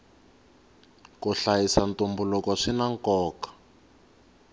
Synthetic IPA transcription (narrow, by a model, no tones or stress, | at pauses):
kuɬajisantumbulɔkɔʂinaŋkɔːkḁ